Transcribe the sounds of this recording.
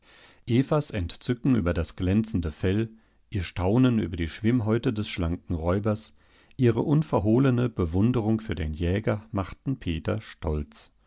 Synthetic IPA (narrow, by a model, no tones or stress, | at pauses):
ʔeːfasɛntt͡sʏkŋ̩yːbɐdasɡ̥lɛnt͡sn̩dəfɛl | ʔiːɐʃtʰaʊnəny̰ːbɐdiːʃv̥ɪmɦɔʏtədɛsʃlaŋkŋ̩ʁɔʏbɐs | ʔiːʁəʔʊnfɛɐɦoːlənəbəvʊndəʁʊŋfyːɐdeːnjɛːɡɐmaχtn̩pʰeːtɐ̰ʃtʰɔlt͡s